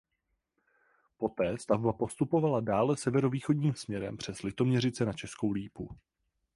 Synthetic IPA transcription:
po̞t̪ɛːst̪avbapo̞st̪upo̞valadaːlɛsɛvɛɾo̞viːxodɲiːmsmɲɛɾɛ̰mpr̝̥ɛslɪt̪o̞mɲɛɾɪt͡sɛnat͡ʃɛsko̞wliːpu

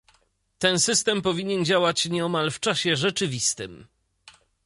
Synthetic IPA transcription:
t̪ɛnsɘst̪ɛmpɔvʲiɲɛnd͡ʑawat͡ɕɲɛɔmalft͡ʂaɕɛʐɛt͡ʂɘvʲist̪ɘm

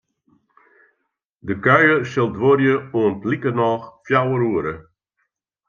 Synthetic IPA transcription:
dəkœjəsɪlˠdʋorjəuəntlikənɔːxfjawəɾuəɾə

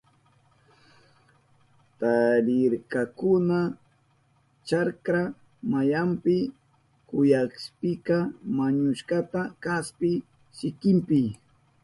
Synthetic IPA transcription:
t̪aɾɪɾkakʊna | t͡ʃaɾkɾa | majampɪ | kʊjakspɪkamaɲʊʃkat̪akaspɪ | ʃɪkɪmpɪ

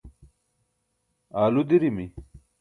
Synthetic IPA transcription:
aːlud̪iɾimi

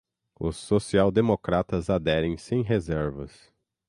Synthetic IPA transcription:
ʊ̰sːosiawd̪emokɾat̪ɐzad̪ɛɾẽj̃sẽj̃ɦezɛɾvɐ̰s

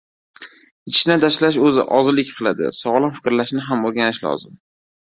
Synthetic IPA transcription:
ɪʃnɪt̪ʰaʃlaʃ̬ɵzɪ̰ʔɒzɪlɪkʲqʰɨlˠad̪ɪ̰sɒʁlˠɒmfɪkʲɾlaʃnɪɦamoɾɡʲanɪʃlɒ̰zɪm

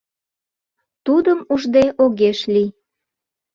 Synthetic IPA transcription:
t̪ud̪əmuʒd̪eʔoɣeʃli

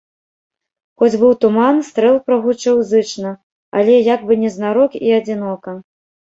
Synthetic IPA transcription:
xɔd͡zʲbɨwt̪umanst̪ɾɛlˠpɾɐɣut͡ʂɨwzɨt͡ʂnɐ | a̰lʲɛjaɡbɨnʲɛznaɾɔkiɐd͡zʲinɔkɐ

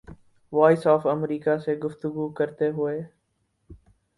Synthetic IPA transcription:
ʋaːɪsɔːfəmɾiːkaseːɡʊft̪ʊɡuːkəɾt̪eɦʊeː

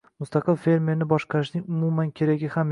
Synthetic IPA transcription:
mʊst̪ɑqɨlfe̞ɾme̞ɾnɪbɒʃqɑɾɪʃnɪŋʊmumankʲʰe̞ɾaɡʲɪham

